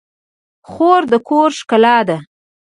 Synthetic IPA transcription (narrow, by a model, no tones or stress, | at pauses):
xoɾd̪əkʰoɾʃkalɑd̪a